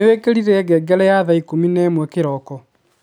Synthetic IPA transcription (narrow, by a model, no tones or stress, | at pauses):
wekeɾiɾɛːɡɛɡɛɾɛjaðaikominɛːmwɛkeɾɔkɔ